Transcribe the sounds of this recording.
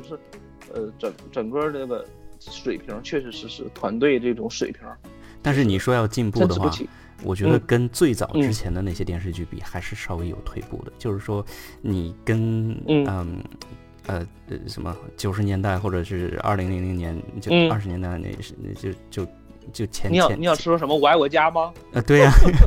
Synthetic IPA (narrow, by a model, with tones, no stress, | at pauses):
ʂɻ̩˥˩ | ə˧ʈ͡ʂə˨˩˦ŋʈ͡ʂə˨˩ŋkə˥˧nə˥˩ɡə˩ | ʂwe˨˩ɪpʰi˧˥t͡ɕʰɥɛ˥˩ʂɻ̩˧˥ʂɻ̩˧˥ʂɻ̩˥˩t̪ʰwa˧˥nt̪we˥˧ɪəʈ͡ʂɤ˥˩ʈ͡ʂʊ˨˧˥ŋʂwe˨˩ɪpʰi˧˥ | t̪a˥˧nʂ̬ɻ̩˥˩ni˨˩ʂwɔ˥jɑ˥˧ʊt͡ɕi˥˧npu˥˧˩də˩xwa˥˩ | wɔ˨˩t͡ɕɥɛ˧˥d̪ə˧kə˥nt͡swe˥˩ɪt͡sɑ˨˩ʊʈ͡ʂɻ̩˥t͡ɕʰjɛ˧˥nd̪ə˧na˥˩ɕjɛ˥t̪jɛ˥˧nʂɻ̩˥˧t͡ɕy˥˩pḭ˨˩xa˧˥ɪʂɻ̩˥˧ʂɑ˥ʊwe˧˥ɪjo̰˨˩ʊt̪ʰwe˥˧ɪpṵ˥˩d̪ə̰˩t͡ɕjo˥˧ʊʂɻ̩˥˩ʂwɔ˥ni˨˩kə˥n˧ə˧ | ə˧ | ə̰˧˩ʂə̰˧˥nmə̰˧t͡ɕjo˨˩ʊʂɻ̩˧˥njɛ˧˥nt̪a˥˧ɪxwɔ˥˩ʈ͡ʂɤ˨˩ʂɻ̩˥˩ɻ̩˥˩ɐ̰˥˩li˧˥ŋli˧˥ŋli˧˥ŋnjɛ˧˥nt͡ɕjo˥˧ɐ˞˥˧ʂɻ̩˧˥njɛ˧˥nt̪a˥˩ɪnḛ˧˩˥ʊt͡ɕjo˥˧ʊ | t͡ɕjo˥˩ʊt͡ɕʰjɛ˧˥ni˧jɑ˥˨ɛ˥ni˧˥jʊʈ͡ʂʰɻ̩˥ʂwɔ˥ʂə˧˥mə˧wa˧˥ɪwɔ˨˩t͡ɕja˥mɐ˧ə˧t̪we˥˩ɪɐ˩